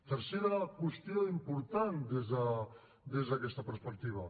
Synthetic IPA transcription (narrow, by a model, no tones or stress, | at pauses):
t̪əɾseɾakwest̪joimpuɾt̪and̪ezə | d̪ezðakɛst̪apəɾspək̚t̪iβa